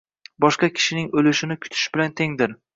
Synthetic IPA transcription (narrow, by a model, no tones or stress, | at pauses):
bɒʃqɑkʲʰɪ̥ʃɪnɪŋɵlɪʃɪnɪkʲʰʊ̥t̪ʰɪ̥ʃbɪlant̪ʰe̞ŋd̪ɪɾ